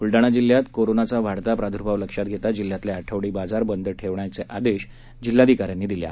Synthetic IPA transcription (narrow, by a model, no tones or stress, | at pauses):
uɭɖaɽ̃ad͡ʑilːjat̪koɾonat͡saʋ̤aɽt̪apɾad̪ʱuɾbʱaʋləkʂat̪ɡʱet̪ad͡ʑilːjat̪leaʈʰəʋɽiːbad͡zaɾbənd̪əʈʰeʋɳajt͡seʔad̪eɕ | d͡ʑilːad̪ʱikaɾjanːiːd̪ilja̰